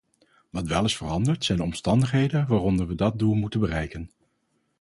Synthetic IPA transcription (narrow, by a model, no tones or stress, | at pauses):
ʋɑtʋɛlˠɪsfərɑndəɹtsɛjnɔmstɑndəχɦejdənʋaːrɔndəɹʋədɑt̚dulˠmutənbərɛjkən